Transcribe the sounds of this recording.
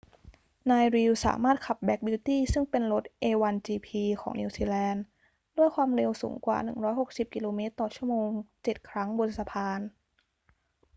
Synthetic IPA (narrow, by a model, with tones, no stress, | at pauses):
naː˧jɾiː˧wsa̰ː˩˦maː˥˩t̪̚kʰa˨˩p̚bɛ˦˥k̚bi˧˥wt̪iː˥˩sɯ˥˩ŋpe˧nlo˦˥t̪̚ʔeː˧wa˧nt͡ɕiː˧pʰiː˧kʰɔː˩˦ŋni˧wsiː˧lɛː˧n | du˥˩əjkʰwaː˧mɾe˧wsṵː˩˦ŋkwa̰ː˨˩nɯ˨˩ŋɾɔː˦˥jɦo˨˩k̚si˨˩p̚ki˧loː˧meː˦˥t̪ːɔː˨˩t͡ɕʰu˥˩ɐəmoː˧ŋt͡ɕe˨˩t̪̚kʰɾa˦˥ŋbo˧sa˧pʰaː˧n